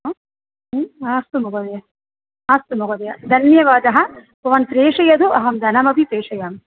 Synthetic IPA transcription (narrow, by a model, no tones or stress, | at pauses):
aːst̪umuɡɐd̪ɐjɐ | aːst̪umuɡɐd̪ɐjɐd̪ʱɐnjɐʋaːd̪ɐɦɐ̆ | pɐʋɐnt̪ɾeːʂɐjɐd̪uʔɐɦɐmd̪ʱɐnɐmɐbʱipɾeːʂɐjaːm